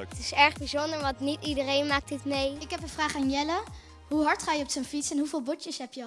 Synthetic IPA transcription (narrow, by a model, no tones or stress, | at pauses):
tɪsɛɹχbizɔndəɹʋɑtnitidərejnmaːk̚tɪtmejɪkɦɛpənvraːχaːnjɛlə | ɦuɦɑɹtχaːjəɔpsənfitsɛnɦuvɪːlˠbɔtəsɦɛpjə